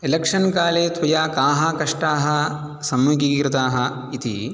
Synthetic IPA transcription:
elɐkʂɐnkaːleːt̪ʋɐjakaːɦɐkɐʂʈaːɦɐ̆ | sɐmjuɡikɾɪt̪aːɦɐ | it̪ḭ

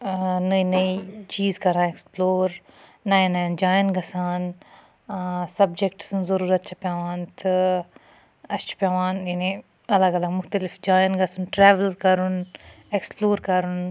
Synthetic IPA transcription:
nɐinɐit͡ʃiːzkɐɾãːeksploːɾ | najnaːjnd͡ʒaːjənɡɐsaːn | sɐbd͡ʒekʈsɨnzɐɾuːɾɐt̪t͡ʃʰɐpjaːʋaːnt̪ʰɨ | ɐst͡ʃʰɐ̥pʲjaːʋaːnjini | ɐlaɡɐlɐɡmʊxt̪əlɪfd͡ʒaːjnɡɐsunʈɾɛːʋəlkɐɾun | eksploːɾkɐɾun

